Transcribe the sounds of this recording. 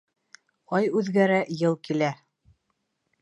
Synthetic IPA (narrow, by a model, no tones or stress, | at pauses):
qɑjʉðɡæɾæʔjɤlˠkilæ